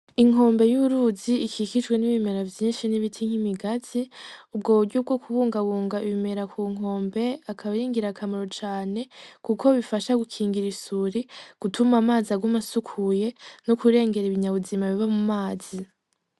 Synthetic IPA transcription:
iŋ̥o̞ːmbe̞juɾuːziikʰikid͡ʒɡwe̞niβime̞ɾavjiːnʃiniβitʰiŋ̥himiɡaziub̚ɡo̞ːβuɾɟub̚ɡokuβuːŋɡaβuːŋɡaiβime̞ɾakʰuŋ̥ɦo̞ːmbe̞akʰaβiɾiːŋɡiɾakʰamoɾo̞t͡ʃaːne̞kukʰo̞βifaʃaɡukʰiːŋɡiɾisuɾiɡ̥utʰumamaːziaɡumasukʰuje̞nokuɾe̞ːŋɡe̞ɾiβiɲaβuzimaβiβamumaːz̥i

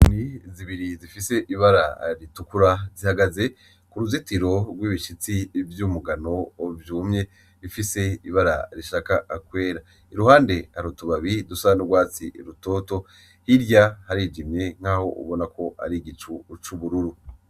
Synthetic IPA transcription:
niziβiɾizifise̞ʔiβaɾa̰ɾitukuɾazihaɡaze̞ | kuɾuzitiɾo̞ɾɡwiːβiʃit͡sivjumuɡano̞vjuːmɲe̞ | ɾifise̞iβaɾa̰ɾiʃaːkaːkwe̞ːɾa | iɾuhaːnde̞haɾutuβaβidusanuɡwaːt͡siḭɾuto̞ːto̞ | hiɾjahaɾid͡ʒimɲe̞ŋ̥haːho̞̰ʔṵβo̞nakʰo̞a̰ɾiɡit͡ʃut͡ʃuβuɾuɾu

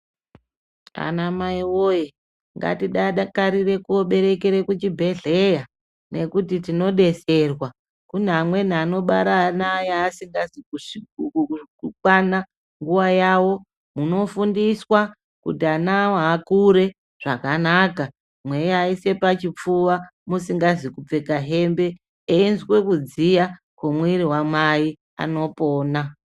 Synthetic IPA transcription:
a̰namaiwo̞je | ŋɡa̰tiɗaɗakaɾire̞kuoɓe̞ɾe̞keɾe̞kut͡ʃibʱe̞ɮe̞ja | ne̞kutitino̞ɗe̞se̞rwa | kun̤amwe̞n̤ano̞ɓaɾanajeːsiŋɡasiu | kukwana | ŋɡuʋajawo̞ | muno̞fundiswa | kṵtianawaːkuɾe̞ | ʐ̥akanaːka | mwe̞jaise̞pat͡ʃip͡fuʋamusiŋɡazikup͡fe̞kaɦe̞mbe̞ː | inzwe̞kud͡zija | kwomwiɾiwamai | a̰no̞po̞ːna

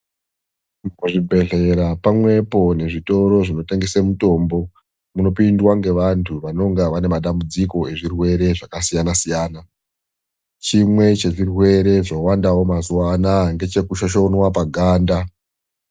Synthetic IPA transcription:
muʐibʱe̞ɮe̞ɾapamwe̞po̞ne̞ʐito̞ɾo̞ʐino̞te̞ŋɡe̞semuto̞ːmbo̞ | muno̞pindwaŋɡe̞ʋantʰuʋano̞ŋɡaʋane̞maɗambud͡ziko̞e̞ʐirwe̞ɾe̞ʐakasijanasijaːna | t͡ʃimwe̞t͡ʃe̞ʐirwe̞ɾe̞ʐowandawo̞mazwanaŋɡe̞t͡ʃe̞kuʃaʃo̞nwap̬aɡʱaːnda

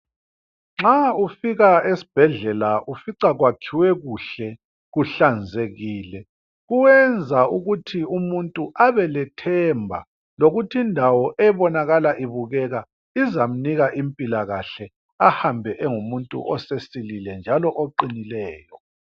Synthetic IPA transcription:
ŋ͡ǁaufiɣaesi̥b̥ʱɛɮɛlaʔufiǀaɣwakʰiwɛɣuɬɛ | ɣuɬand͡zʱeɣiːlɛ | ɣuwɛnd͡zʱauɣutʰiumuntʼuʔaβɛlɛtʰɛmbʱa̰ | loɣutʰindʱawɔʔɛβɔnaɣalaʔiβuɣɛɣa | izam̩niɣaʔimpʼilaɣaɬɛ | ahambʱɛʔɛŋumuntʼṵʔɔsesililɛnd͡ʒʱalɔʔoǃinilɛːjɔ

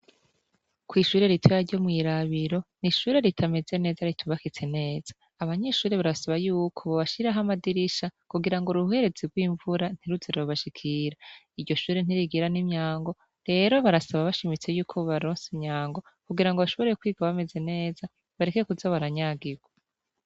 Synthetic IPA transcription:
kwiːʃuːɾe̞ɾitʰeβaɾɟo̞mŋiːɾaβiɾo̞niʃuːɾe̞ɾitʰame̞ze̞ne̞ːzaɾitʰuβakit͡se̞ne̞ːz̥ḁːβaɲe̞ʃuːɾeβaɾasaβajuːkʰo̞βoβaʃiɾaɦamadiɾiʃakuɡiɾaŋɡoɾuuhe̞ɾe̞t͡siɡwiːɱvuɾan̥iɾuziɾoβaʃikʰiɾa | iɾɟo̞ʃuːɾen̥iɾiɡiɾanimɲaːŋɡo̞ | ɾe̞ɾo̞βaɾasaβaβaʃimit͡se̞juːkʰo̞βaɾoːnsimɲaːŋɡo̞ | kuɡiɾaŋɡoβaʃoβo̞ɾekwiːɡaβame̞ze̞ne̞ːza | βaɾeke̞kuzaβaɾaɲaɡiɡwa

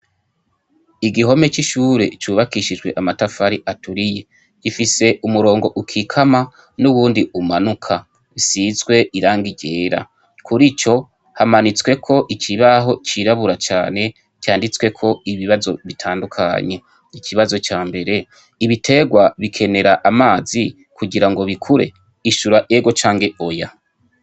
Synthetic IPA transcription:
iɡiɦo̞me̞t͡ʃiʃuːɾe̞̰t͡ʃuːβakiʃid͡ʒwe̞ʔamatafaɾiʔatʰuɾije̞ | ɡ̥ifise̞ʔumuɾo̞ːŋɡo̞ʔukʰikʰama | nuβuːndiumanukʰa | isizɡwe̞ʔiɾaːŋɡiɟe̞ːɾa̰ | kʰuɾit͡ʃo̞ | hamanit͡swe̞kʰo̞ʔicʰiβaɦo̞t͡ʃiɾaβuɾat͡ʃa̰ːne̞ | cjaːndit͡swe̞kʰo̞iβiβazo̞βitʰaːndukʰa̰ɲe̞ | icʰiβazo̞t͡ʃaːmbe̞ɾe̞ | iβitʰe̞ɡwaβikʰe̞ne̞ɾaʔamaːzi | kuɟiɾaŋɡo̞βikʰuɾe̞̰ | iʃuɾaʔe̞ɡo̞t͡ʃaːŋɡe̞o̞ja

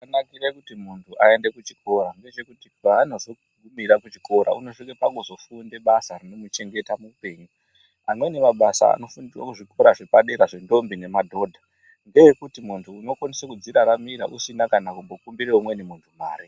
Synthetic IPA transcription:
kanakiɾekutimuntʰuʔae̞nde̞kut͡ʃi̥kʰo̞ɾaŋɡe̞t͡ʃe̞kutiaano̞zo | ɡʱumiɾakut͡ʃi̥ko̞ɾa̰unoʂikepaŋɡozo̞funde̞ɓasarino̞mut͡ʃe̞ŋɡe̞tamupe̞ːɲu | amwe̞nemaɓasa̰a̰no̞funrwakuʐiko̞ɾaʐe̞paɗe̞ɾaʐe̞ndo̞mbine̞madʱo̞ːdʱa | ŋɡe̞jekutimuntʰuːno̞kwanesekud͡ziɾaɾamiɾa̰ʔusinakanakumbo̞kumbiɾeumwe̞nemuntʰuma̰ːɾi

